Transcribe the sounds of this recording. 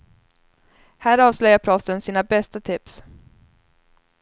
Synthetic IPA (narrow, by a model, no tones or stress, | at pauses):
hæːɾɑːvslœjapʰɾɔsənsiːnabɛst̪at̪ʰɪps